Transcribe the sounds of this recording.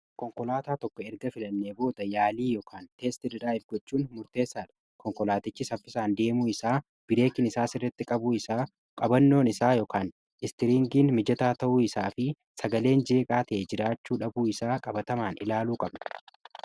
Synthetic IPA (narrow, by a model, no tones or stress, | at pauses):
kɔŋkɔlaːt̪aːt̪ɔkːɔɛɾɡɐfɪlɐnːeːbo̞ːd̪ɐjaːliːjɔkʰaːnt̪e̞ːst̪ɪdɪɾaːɪfɡɔt͡ʃːuːnmʊɾt̪e̞ːsːaːᶑɐ̥ | kɔŋkɔlaːt̪ɪt͡ʃːɪsɐfːɪsaːnd̪e̞ːmuːɪsaː | b̥ɪɾe̞ːkɪnɪsaːsɪrːɛt̪ːɪkʼɐbuːɪsaː | kʼɐbɐnːo̞ːnɪsaːjɔːkaːn | ɪst̪ɪɾiŋɡiːnmɪd͡ʒɐt̪aːt̪ɐʔuːɪsaːfɪ | sɐɡɐle̞ːnd͡ʒe̞ːkʼaːt̪ɛʔɛd͡ʒɪɾaːt͡ʃːuːᶑɐbuːɪsaːkʼɐbɐt̪ɐmaːnʔɪ̰laːluːkʼɐbnɐ